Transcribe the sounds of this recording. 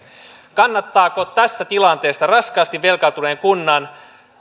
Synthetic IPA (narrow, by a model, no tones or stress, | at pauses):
kɑnːɑt̪ːɑːkot̪æsːæt̪ilɑnt̪e̞ːst̪ɑrɑskɑːst̪iʋʋe̞lkɑlt̪une̞ːŋkunːɑn